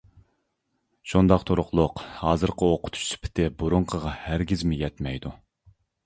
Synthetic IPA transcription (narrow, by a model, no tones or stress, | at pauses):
ʃund̪ɑqt̪ʰoɾʊqlˠʊqhɑːzɨɾqʰəoqʰʊ̥t̪ʰu̥ʃsy̥pʰɪ̥t̪ʰɪbuɾʊɴqʰəʁɑhæɾɡʲizmɪjɛt̪mɛjd̪u